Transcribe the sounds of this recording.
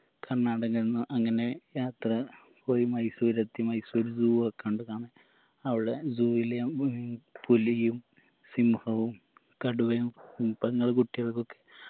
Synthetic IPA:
kɐrːaːɽɐŋːɐɭenːɨʔɐŋːɐne̞jaːt̪rɐ | po̞ːjimɐjsuɾɐt̪ːimɐjsuoɾud͡ʑuːokːeoɳɖɨkaːɳɨ | ɐʋiɽe̞zuːʋilej | pulijum | simhɐʋum | kɐɽuʋɐjumpɐŋːɐɭkuʈːijɐɭkːo̞kːe

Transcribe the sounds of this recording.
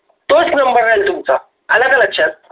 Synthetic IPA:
t̪osknəmbəɾːajlt̪umt͡sa | ələɡələkɕʰat̚

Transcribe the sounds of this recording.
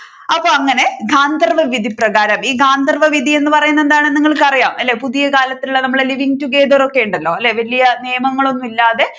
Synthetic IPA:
ɐpːo̞ːɐŋːɐne̞ɡʱaːnd̪ɐrʋɐʋid̪ʱiprɐɣaːɾɐmiːɡʱaːnd̪ɐrʋɐʋid̪ʱie̞nːɨpɐrɐjunːɐend̪aːɳeniŋːɐɭkɐrijaːmʔɐlːe̞ːpuðijɐkaːlɐt̪ːiluɭːɐnɐmːɐɭeliʋiŋtuɡeːd̪oːro̞kːe̞juɳɖɐlːo̞ːɐlːe̞ːʋɐlijɐnijɐmɐŋːɐɭo̞nːumilːaːðe̞

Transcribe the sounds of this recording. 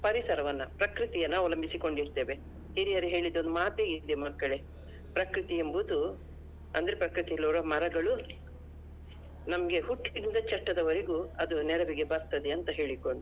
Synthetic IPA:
pɐɾisɐɾɐʋɐnːɐpɾɐkɾit̪ijɐnːɐɐʋlɐmbisiko̞ɳɖiɾt̪eːʋe | iɾijɐɾiɦe̞ːɭid̪ond̪umaːt̪eːɡid̪emɐkːɐɭe̞ | pɾɐkɾit̪ijembud̪u | ɐ̰nd̪ɐɾe̞pɾɐkɾit̪ijlːuʋɾɐmɐɾɐɡɐɭu | nɐmɐɡe̞ɦuʈːid̪ind̪ɐt͡ʃɐʈːɐd̪ɐʋɐɾeɡuɐd̪unɛɾɐʋiɡe̞bɐɾt̪ɐd̪eɐnt̪ɐɦe̞ːɭikoɳɖu

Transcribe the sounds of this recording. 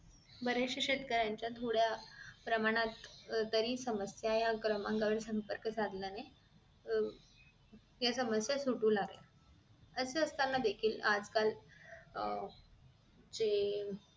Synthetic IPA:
bəɾeɕəɕet̪kəɾaɲt͡ɕjat̪ʰoɽjapɾəmaɽ̃at̪t̪ːəɾiːsəməsjajakɾəmãŋkəʋəɽsəmpəɾkət͡sad̪ljane | jasəməsjasuʈuːlaɡḛ | əseəst̪anːad̪ekʰiːlad͡zkal | d͡ʑe

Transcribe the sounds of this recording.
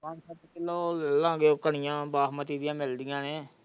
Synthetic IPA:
pãnsətkɪlːoːllãːɡeːoːkəɳɪjãːbaːɦmət̪iːd̪ijãːmɪld̪ɪjãːneː

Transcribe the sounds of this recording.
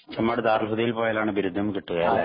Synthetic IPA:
t͡ɕɐmːaːɽet̪aːrlɦuðijilpoːjaːlaːɳɨbiɾud̪ʱːɐmkiʈːuɣɐjle

